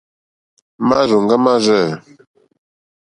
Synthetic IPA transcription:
ma˦zo˨ŋ˨ɡa˦ma˦zə˦˨

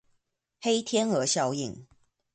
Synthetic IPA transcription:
he˥ɪt̪ʰjɛ˥nə˧˥ɕjɑ˥˧ʊi˥˨ŋ

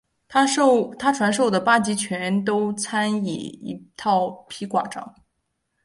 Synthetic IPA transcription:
t̪ʰa˥ʈ͡ʂʰwa˧˥nʂo˥˩ʊd̪ə˩pa˥t͡ɕi˧˥t͡ɕʰɥɛ˧˥nt̪̬o˥ʊt͡sʰa˥nḭ˨˩ḭ˧˥t̪ʰɑ˥˩ʊpʰi˧˥kwa̰˨˩ʈ͡ʂɑ̰˥˦ŋ

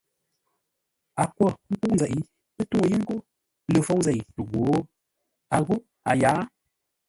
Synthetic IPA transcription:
a˨kwɔ˦˨m̩˦pu˦ʔn˨zɛ˨ʔi˨˦ | ɨ˦tu˦˨ji˦ŋ̩˦ko˦ | lə˨fo˦wn˦zɛ˦˨tu˨ɡo˨˦ | a˨ɣo˦ | a̰˨jaː˨˦

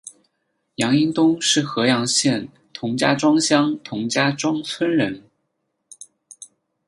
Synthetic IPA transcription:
jɑ˧˥ŋi˥ŋt̪ʊ˥ŋʂɻ̩˥˩xɤ˧˥jɑ˧˥ŋɕjɛ˥˩n | t̪ʰʊ˧˥ŋt͡ɕja̰˥ʈ͡ʂwɑ˥ŋɕjɑ˥ŋt̪ʰʊ˧˥ŋt͡ɕja˥ʈ͡ʂwɑ˥ŋt͡sʰwə˥nɻə˧˥n

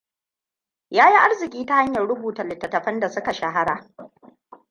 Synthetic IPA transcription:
jaː˦ji˦ʔa˦rzɪ˨kʲʼiː˦ta˦ha˦ɲjɐ˨rɽʊ˦buː˨tɐ˨lɪ˨tːɐ˨tːɐ˨ɸɐ˦nda˨sʊ˦ka˨ʃa˨ɦa˦ɽaː˨

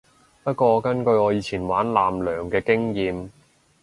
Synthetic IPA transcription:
pɐ˥t̚kɔː˧ɔ˧kɐ˥nkɵ˧ɥɔː˨˧jiː˨˧t͡sʰiː˨˩nwaː˨˥nlaː˨mlœː˨˩ŋkɛː˧kɪ˥ŋjiː˧m

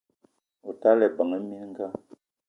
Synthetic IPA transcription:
o˨ta˦lɛ˨ba˨ŋə˦mi˦n˦ŋ̩˦ɡa˦˨

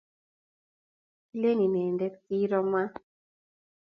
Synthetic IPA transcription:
le˦ni˨nɛ˨ndɛ˦ktiː˦ɾɔ˦ma˦

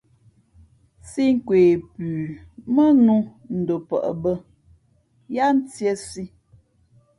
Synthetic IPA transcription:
si˦ŋ̩˦kweː˨pʉː˨mə˦nu˦n̩˨do˨pə̰˨ʔə̰˨bə˦ | ja˦n̩˦tje˦si˦

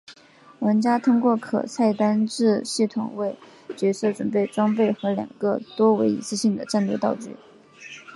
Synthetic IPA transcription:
wə˧˥nt͡ɕja˥t̪ʰʊ˥ŋkwɔ˥˩kʰɤ̰˨˩t͡sʰa˥˩ɪt̪a˥nʈ͡ʂɻ̩˥˧ɕi˥˩t̪ʰʊ̰˨˩ŋwe˥˩ɪ | t͡ɕɥɛ˧˥sɤ˥˩ʈ͡ʂwə˨˩npe˥˩ɪʈ͡ʂwɑ˥ŋpe˥˩ɪxɤ˧˥ljɑ̰˨˩ŋɡ̥ə˥˧t̪wɔ˥we˧˥ɪḭ˧˨˩t͡sɹ̩˥˧ɕi˥˩ŋd̪ə˩ʈ͡ʂa˥˧nlwɛ˥˧t̪ɑ˥˧ʊt͡ɕy̰˧˥

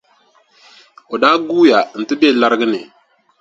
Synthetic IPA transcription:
o˨daː˦ɡuː˦ja˨n̩˨tɨ˦be˦˨la˦ɾɨ˦ɡɨ˦nɪ˨

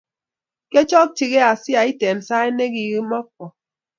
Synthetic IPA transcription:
ke˦t͡ʃɔ˦k̚ti˨ɣe˦a˨si˦a˨i˦te˨m˨sa˦e˦ne˦ɡi˨ɣɨ˦ma˦k̚wɔ˨

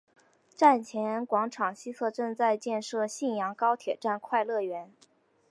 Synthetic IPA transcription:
ʈ͡ʂa˥˩nt͡ɕʰjɛ˧˥nkwɑ˧˥ŋʈ͡ʂʰɑ˨˩ŋɕi˥t͡sʰɤ˥˧ʈ͡ʂɤ˥˧ŋt͡sa˥˧ɪt͡ɕjɛ˥˧nʂɤ˥˩ɕi˥˩njɑ˧˥ŋkɑ˥ʊt̪ʰjɛ˨˩ʈ͡ʂa˥˩nkʰwa˥˧ɪlɤ˥˩ɥɛ˧˥n

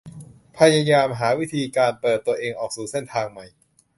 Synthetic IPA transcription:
pʰa˧ja˧jaː˧mɦaː˩˦wi˦˥˩t̪ʰiː˧kaː˧npɤː˨˩t̪ːu˧ɐəʔeː˧ŋʔɔː˨˩k̚suː˨˩˦se˥˩nt̪ʰaː˧ŋma˨˩j

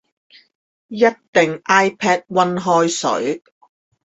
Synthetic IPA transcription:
jɐ˥t̚t̪ɪ˨ŋʔaː˥jpʰɛː˥t̚wɐ˧nɦɔː˧jsɵ̰˨˥ɥ

